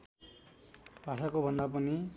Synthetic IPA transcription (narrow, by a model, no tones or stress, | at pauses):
bʱasakobʱʌnd̪ap̬ʌni